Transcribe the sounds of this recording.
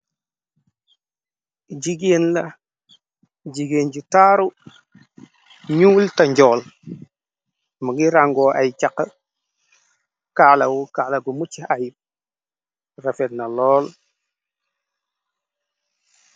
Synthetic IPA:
ɟiɡenla | ɟiɡeːnɟutaːɾu | ɲuːltaɲɟɔːl | muɡiɾaŋɡɔːʔa̰jt͡ʃakə | kaːlawukaːlaɡumut͡ʃːiaji | rafetnalɔːl

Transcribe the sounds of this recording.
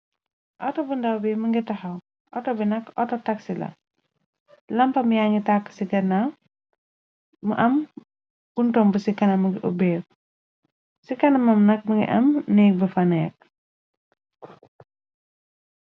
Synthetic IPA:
ʔɐtɔbundɐwbɛmɐŋɡitɐhɐw | ʔɔtɔbinɐkɔ̰tɔtɐksilɐ̰ | lɐmpɐmjaŋɡitakːsiɡɛna | mṵʔɐm | b̥untɔmbəsikɐnɐmɐŋɡiʔṵbɛː | sikɐnɐmɐmnɐk̚mɐŋɡḭʔɐmnɛk̚bəfɐnɛk̚

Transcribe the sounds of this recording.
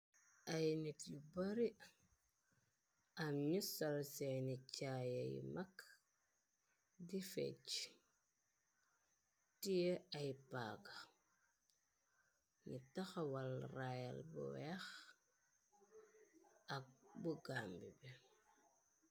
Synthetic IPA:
ʔajnitjubaɾi | amɲusalsenit͡ʃajajḭmak | difḛt͡ʃ | tijeajpa̰ka | nitaxawalraja̰lbṵwɛx | ak̚buɡambibɛ

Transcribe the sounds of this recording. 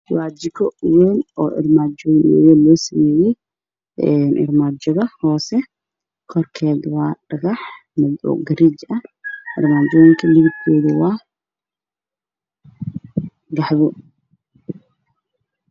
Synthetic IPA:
waːd͡ʒɪkʰɔwɛːnɔ̰ːʔɪ̰rmaːd͡ʒɔjnɛjɔlɔːsɐmɛːjɛj | ɛnʔɪ̰rmaːd͡ʒɔðɐhɔːsɛ | kʰɔrkʰɛːd̪wɑːɖɐɣɑħ | mɐdɔ̰ɡɐɾit͡ʃɐɪ̰rmaːd͡ʒɔjŋkʰɐliɣɪd̪kʰɛːðɪwɑː | ɡɑħβʊ

